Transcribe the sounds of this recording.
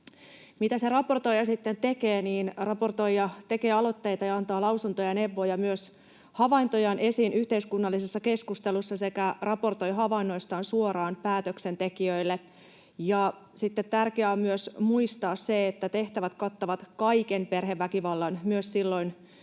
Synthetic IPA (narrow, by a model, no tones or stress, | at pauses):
mit̪æserɑpo̞rt̪ojɑsit̪ːent̪e̞keːniːnrɑpo̞rt̪ojjɑt̪e̞keːɑlo̞t̪ːejt̪ɑjɑɑnt̪ɑːlɑwsunt̪ojɑne̞ʋːojɑmyøs | hɑʋɑint̪ojɑnʔe̞siːnʔyht̪eiskunːɑlːisesːɑke̞skust̪elusːɑse̞kærɑpo̞rt̪o̞jɦɑʋɑinːo̞jst̪ɑːnsuoɾɑːnpæːt̪øksent̪e̞kiøilːe | jɑ | sit̪ːet̪t̪ærkeæommyøsmuist̪ɑːsseet̪ːæt̪e̞ht̪æʋæt̪kɑt̪ːɑʋɑt̪kɑikenpe̞rɦeʋːækiʋɑlːɑnmyøssilːo̞in